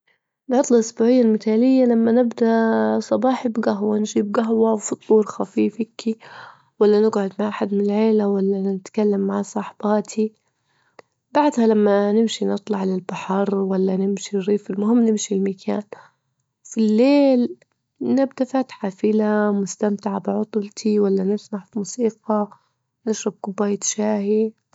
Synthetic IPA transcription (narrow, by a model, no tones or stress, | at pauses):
nʕʊt̪ˤlɑʔʊsbuːʕɪjːalmɪt̪aːlɪjːalamːanɪbd̪aʔsˤɑbɑːħɪbɡaɦwanʒiːb̚ɡaɦwawfɨt̪ˤːuːɾxafiːfɪkʰːi | walːanɪɡʕʊd̪maʕħad̪mɪnɪlʕeːlawalːaɪt̪kalːamːaʕsˤɑːħbɑːt̪ʰi | baʕd̪halamːanɪmʃinɨt̪ˤlɑʕlɪlbaħɑɾˤwalːanɪmʃiriːfɪlmʊhɪmːnɪmʃilmakʰa̰ːn | filːeːl | nɪbd̪afaːt̪ħaːfɪlamʊst̪amt̪ɪʕabɪʕʊt̪ˤlt̪ʰiwalːanɪsmaʕfimuːsiːqɑ | nɪʃɾˤɑb̚kʊbːaːjt̪ʃaːhi